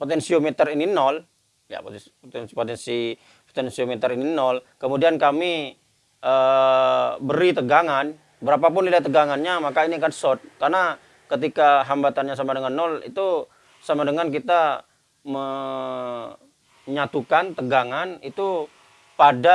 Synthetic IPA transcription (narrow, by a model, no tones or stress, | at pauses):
pot̪ɛnsiomɛt̪ərininɔl | ja̰p̪ | ɛpot̪ɛnsi | pot̪ɛnsiomet̪əɾininɔlkəmudiankami | ʔə | bəɾit̪əɡaŋan | bəɾapap̬ʊnlilat̪əɡaŋanɲamakainiakansɔt̪̚karna | kət̪̬ikaɦambat̪anɲas̬amadəŋanːɔlḭt̪u | samadəŋank̬it̪a | mə | ɲat̪ukant̪əɡaŋanit̪u | pada